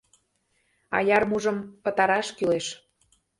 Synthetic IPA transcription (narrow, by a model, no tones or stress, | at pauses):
ɑ̰jɑrmuʒə̆mpət̪ɑɾɑʃkyleʃ